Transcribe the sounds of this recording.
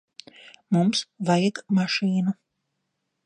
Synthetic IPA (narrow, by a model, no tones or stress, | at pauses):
mumsvajaɡmaʃiːnu